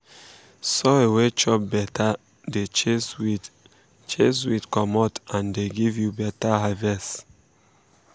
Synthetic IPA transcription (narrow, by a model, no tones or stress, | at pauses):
soewet͡ʃɔp̚bɛta | det͡ʃeswi | t͡ʃeswidkɔmɔtãndeɡivjubɛtaɦavɛst